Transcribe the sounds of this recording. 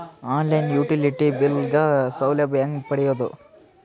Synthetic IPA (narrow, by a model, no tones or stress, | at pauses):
aːnlɐjnjuːʈiliʈibilɡɐsɐwlɐbjɐŋɡpɐɽijod̪ṵ